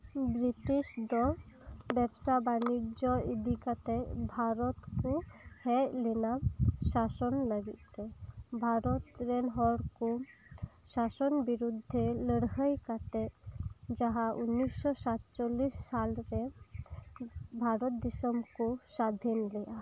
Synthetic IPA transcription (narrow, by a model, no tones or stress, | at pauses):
bɾiʈisd̪ɔbɛbsabanid͡ʒɔid̪ʱikat̪ɛbʱaɾɔt̪kuhɛjlenasasɔnləɡit̪ɛbʱaɾɔt̪ɾɛnɦɔɽku | sasɔnbiɾud̪ʱːeləɽɦəjkat̪ɛ | d͡ʒaɦaʔunːisːɔsat̪t͡ʃɔlisːalɾɛ | bʱaɾɔt̪̚d̪isɔmkusad̪ʱinlɛa